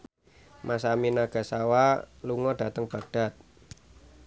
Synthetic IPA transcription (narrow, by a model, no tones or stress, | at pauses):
masaminaɡ̥a̤sawaluŋɔɖ̥ä̤t̪əŋb̥a̤ɡ̚d̥a̤t̪̚